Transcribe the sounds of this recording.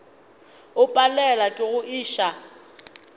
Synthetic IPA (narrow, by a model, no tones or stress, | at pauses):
ʊpʼalɛlakʼɪɣʊʔiːʃa